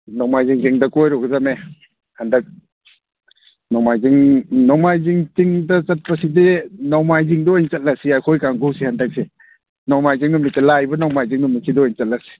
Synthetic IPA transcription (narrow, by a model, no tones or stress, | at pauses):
nɔwmajziŋtiŋdɐkojɾɔɡzame | handak̚ | nɔmajziŋnɔmajziŋtiŋdɐt͡ʃɐt̚pasidenɔwmajziŋdɔːjnt͡ʃɐt̚lasiajkʰojkaŋɡusihandak̚si | nɔwmajziŋnumnik̚telajbɐnawmajziŋnumnisʰidɔɔjnt͡ʃɐt̚lasi̥